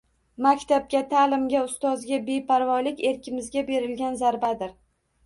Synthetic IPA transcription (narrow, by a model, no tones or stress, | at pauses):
makʲt̪ʰap̚ɡʲat̪ʰalɪmɡʲaʊst̪ɒzɡʲabe̞pʰaɾvɒlɪkʲe̞ɾkʲʰɪmɪzɡʲabe̞ɾɪlɡʲanzaɾbad̪ɪɾ